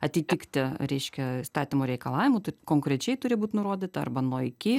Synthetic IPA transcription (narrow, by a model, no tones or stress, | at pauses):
ɐt̪ʲɪt̪ʲɪkt̪ʲɪɾʲɛɪʃʲkʲɛst̪ɑːt̪ʲɪmoːɾʲɛɪkɐlˠɑːʋʲɪmʊt̪ʊkoːŋkɾʲɛt͡ʃʲɛɪt̪ʊɾʲɪbuːt̪ʲnʊɾoːd̪ʲiːt̪ɐɐ̰rbɐnoːɪkʲɪ